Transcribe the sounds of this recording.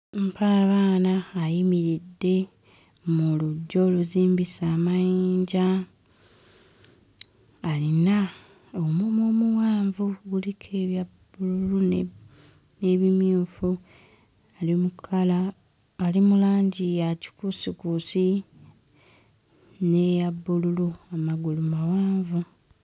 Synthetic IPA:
mpʰaβaːnaːjimiɾidːe̞ | muluɟːo̞luziːmbisaːmajiːɲɟa | lina | omumomuwaːɱvuɡulikʰeβja | bululun | ne̞βimjuːfu | alimukʰalaː | limulaːɲɟijaci̥kusikusi | ne̞jabːululuamaɡulumawaːɱvu

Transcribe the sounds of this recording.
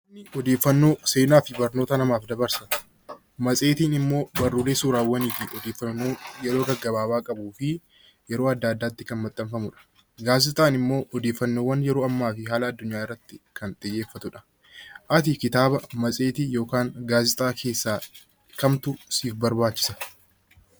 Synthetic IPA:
ɪɔd̪e̞ːfːɐnːo̞ːse̞ːnaːfɪbɐɾnoːt̪ɐnɐmaːfd̪ɐbɐɾsɐ | mɐsʼe̞ːt̪iːnɪmːo̞ːbɐrːuːleːsuːɾaːwːɐniːt̪ɪʔɔd̪eːfːɐoːjɛɾo̞ːɡɐɡːɐbaːbaːkʼɐbuːfɪ | jɛɾoːɐd̪ːaːd̪ːaːt̪ːɪkɐnmɐt̪ʼːɐmfɐmʊᶑɐ̥ | ɡaːzɪt̪ʼaːnɪmːo̞ːʔɔd̪e̞ːfːɐnːo̞ːwːɐnjɛɾo̞ːɐmːaːfɪɦaːlɐːd̪ːʊɲːaːɪrːɐt̪ːɪkɐnt̪ʼɪjːeːfːɐt̪ʊᶑɐ̥ | ʔɐt̪̬ɪkɪt̪aːbɐmɐsʼe̞ːt̪ɪjo̞ːkaːŋɡaːzɪt̪ʼaːkʰe̞ːsːaː | kɐmt̪ʊsiːfbɐɾbaːt͡ʃːɪ̥sɐ̥

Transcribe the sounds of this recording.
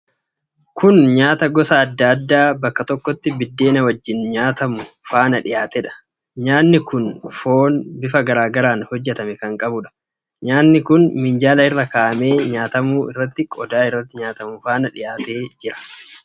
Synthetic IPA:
kʊnɲaːt̪ɐɡɔsɐːd̪ːɐd̪ːaːbɐkːɐt̪ɔkːɔt̪ːɪbɪd̪ːe̞ːnɐwɐd͡ʒːɪnɲaːt̪ɐmʊfaːnɐᶑɪjaːt̪ɛᶑɐ̥ | ɲaːnːɪkʊnfo̞ːnbɪfɐɡɐɾaːɡɐɾaːnhɔd͡ʒːɛt̪ɐmɛkɐŋkʼɐbʊᶑɐ̥ | ɲaːnːɪkʊnmɪnd͡ʒaːlɐɪrːɐkaːʔɐme̞ːɲaːt̪ɐmuːʔɪ̰rːɐt̪ːɪkʼɔd̪aːɪrːɐt̪ːɪɲaːt̪ɐmʊfaːnɐᶑɪjaːt̪e̞ːd͡ʒɪɾɐ̥

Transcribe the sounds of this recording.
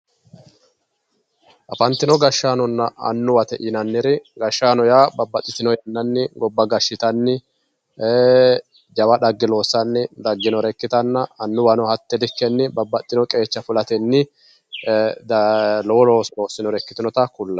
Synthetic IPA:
ʔɐfɐnt̪ːɪnɔɡɐʃːaːnɔnːɐɐ̰nːʊwɐt̪ɛʔɪnɐnːɪɾɪɡɐʃːaːnɔjaːbɐbːɐt̪ʼːɪt̪ɪnɔjɐnːɐnːɪɡɔbːɐɡɐʃːɪt̪ɐnːɪ | d͡ʒɐwɐɗɐɡːɪlo̞ːsɐnːɪd̪ɐɡːɪnɔɾɛkːɪt̪ɐnːɐɐnːʊwɐnɔhɐt̪ːɛlɪkːɛnːɪbɐbːɐt̪ʼːɪnɔkʼe̞ːt͡ʃːɐfʊlɐt̪ɛnːɪ | d̪lɔwɔloːsɾoːsɪnɔɾɛkːɪt̪ɪnɔt̪ɐkʊlːɐ

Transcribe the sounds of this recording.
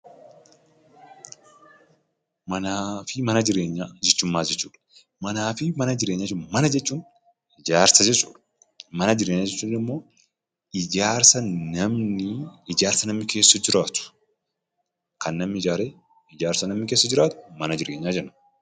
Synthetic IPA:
mɐnaːfɪmɐnɐd͡ʒɪɾe̞ːɲːaːd͡ʒɛt͡ʃːʊmːaːd͡ʒɛt͡ʃːuːᶑɐ̥ | mɐnaːfɪmɐnɐd͡ʒɪɾeːɲːaːd͡ʒːnmɐnɐd͡ʒɛt͡ʃːuːn | ɪd͡ʒaːɾsɐd͡ʒɛt͡ʃːu̥ːᶑɐ̥ | mɐnɐd͡ʒɪɾeːɲːaːd͡ʒɛt͡ʃːuːnnɪmːo̞ː | ɪd͡ʒaːɾsɐnɐmnɪɪd͡ʒaːɾsɐnɐmnɪke̞ːsːɐd͡ʒɪɾaːt̪ʊ̥ | kɐnːɐmnɪɪd͡ʒaːɾeː | ɪd͡ʒaːɾsɐnɐmnɪkeːsːɐd͡ʒɪɾaːt̪ʊ̥mɐnɐd͡ʒɪɾe̞ːɲːaːd͡ʒɛnɐ̥

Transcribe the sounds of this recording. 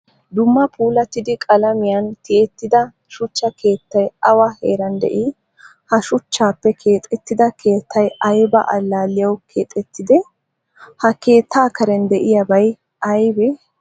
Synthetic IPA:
d̪ʊmːɐpʰuːlɐt̪ɪd̪ɪkʼɐlɐmɪjɐnt̪ɪɛt̪ːɪd̪ɐ | ʃʊt͡ʃːɐke̞ːt̪ːɐjɐwɐheːɾɐnd̪ɛ̰ʔiː | hɐʃʊt͡ʃːaːpːɛkʰe̞ːt̪ʼɛt̪ːɪd̪ɐkʰe̞ːt̪ʰːɐjɐjbɐ̰ʔɐ̰lːaːlɪjɐwkʰe̞ːt̪ʼɛt̪ːɪd̪ɛ | hɐke̞ːt̪ːaːkɐɾɛnd̪ɛʔɪjɐbɐj | ɐjbɛ

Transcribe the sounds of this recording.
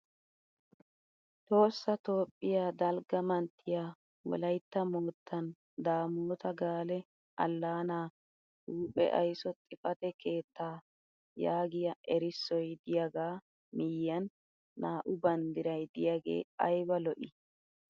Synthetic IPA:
t̪o̞ːsːɐt̪o̞ːpʼːɪjaːd̪ɐlɡɐmɐnt̪ʰːɪjaː | wɔ̰lɐjt̪ːɐmoːt̪ʰːɐn | d̪aːmoːt̪ɐɡaːlɛ | ʔɐ̰lːaːnaː | huːpʼɛ̰ʔɐjsɔt̪ʼɪfɐt̪ɛkʰe̞ːt̪ʰːaː | jaːɡɪjɐʔɛɾɪsːɔjd̪ɪjaɡaː | mɪjːɐnː | aːʔʊbɐnd̪ɪɾɐjd̪ɪjaɡe̞̰ːɐjbɐlɔʔɪ̰

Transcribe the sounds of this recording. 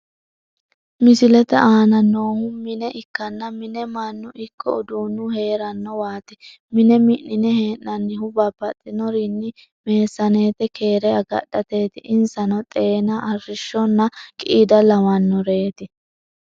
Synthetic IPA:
mɪsɪlɛt̪ɛʔaːnɐno̞ːhʊmɪnɛʔɪkːɐnːɐmɪnɛmɐnːʊʔɪkːɔ̰ʊd̪uːnːʊhe̞ːɾɐnːɔwaːt̪ɛ | mɪnɛmɪnːɪnɛheːnːɐnːɪɦʊbapːɐt̪ʼːɪnɔɾɪnːɪ | me̞ːsːɐneːt̪ɛkʰe̞ːɾɛɐɡɐ̰ɗːɐt̪eːt̪ɪʔɪnsɐnɔt̪ʼeːnɐʔɐrːɪʃːɔnːɐkʼɪid̪ɐlɐwɐnːɔɾeːt̪ɪ

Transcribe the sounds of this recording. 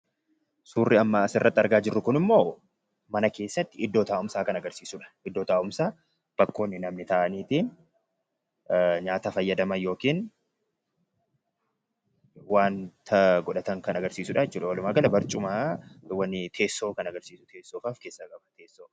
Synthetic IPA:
suːrːɪɐmːasɪrːɐt̪ːɐɾɡaːd͡ʒɪrːʊkʊnɪmːo̞ː | mɐnɐke̞ːsːɐt̪ːɪɪd̪ːo̞ːt̪aːʔʊmsaːkɐnɐɡɐɾsiːsʊᶑɐ̥ʔɪd̪ːo̞ːt̪aːʔʊmsaː | b̥ɐkːo̞ːnːɪnɐmnɪt̪ɐːʔɐniːt̪iːn | ɲaːt̪afɐjːɐd̪ɐmɐnjo̞ːkiːn | waːnt̪ʰɐɡɔᶑɐt̪ɐŋkɐnɐɡɐɾsiːsʊᶑajɛt͡ʃːuːᶑɐwɐlʊmaːɡɐlɐbɐɾt͡ʃʼʊmaːwɐnːɪt̪ʰe̞ːsːoːkɐnɐɡɐɾsiːsʊ̥t̪ʰe̞ːsːoːfaːfkeːsːɐkʼɐbɐt̪eːsːoː

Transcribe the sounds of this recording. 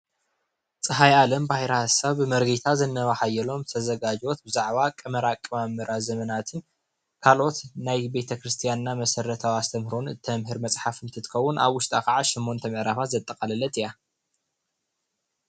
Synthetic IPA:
t͡sʼɨɦajalɐmbahiɾɐhasːaβɨmɐɾɡit̪ʰazɐnːɐβaħajːɛlo̞mzɨt̪ʰɐzɐɡad͡ʒot̪̚bɨzaʕβakʼɐmɐɾakʼːɨmamːɨɾazɐmɐnat̪ʰɨn | kʰalʔo̞t̪najbe̞t̪ʰɐkɾɨst̪ʰijanɨnamɐsɐɾɐt̪ʰawast̪ʰɐmhɾunɨt̪ʰɐmɦɨɾmɐt͡sʼħafɨnt̪ʰɨt̪ʰɨ̥xɐwːʊnʔa̰βwʊʃt̪ʼakaʕaʃɪmːo̞nt̪ʰɐmɐʕɾaβat̪zɐt̪ʼːɐkʼɐlɐlɐt̪ɨja

